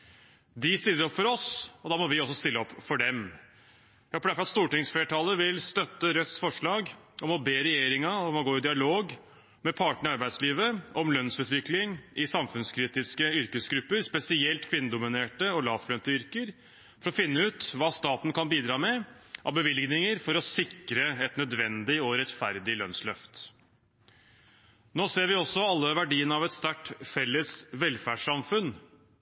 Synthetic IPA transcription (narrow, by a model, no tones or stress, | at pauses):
d̪ɪst̪ɪlːəɾɔpfɔɾɔsɔd̪ɑːmɔʋɪɔsɔst̪ɪlːəɔpːfɔɖɛm | jæhɔpəd̪æfɾɑt̪st̪uːʈɪŋsfeːʈʰɑlːəʋɪlst̪œt̪ːəɾœt̪sfɔʂɭɑːɡ | ɔmɔbeːɾɛjeːɾɪŋɑɔmɔɡoːɪd̪ɪɑloːɡ | mɛpʰɑːʈəɳ̩ɪɑɾbæɪsliːʋəɔmlœnsʉːt̪ʋɪklɪŋɪsɑmfʉnskʰɾiːt̪ɪskəʏɾkəsɡɾʉpːəɾspɛsɪɛlt̪kʰʋɪnːəd̪ʊmɪneːʈəɔlɑːflœnt̪əʏɾkəɾ | fɔɾɔfɪnːəʉːt̪ʋɑːst̪ɑːt̪n̩kʰɑnbiːd̪ɾɑːmɛ | ʔɑ̰ʋbəʋɪlɡnɪŋəɾfɔɾɔsɪkɾəɛt̪nœd̪ʋɛnd̪ɪɔɾɛt̪fæɾd̪ɪlœnslœft̪ | noːseːɾʋɪɔsɔɑlːəʋæɖiːənəɑʋɛt̪st̪æʈfɛlːəsʋɛlfæːɖʂɑmfʉn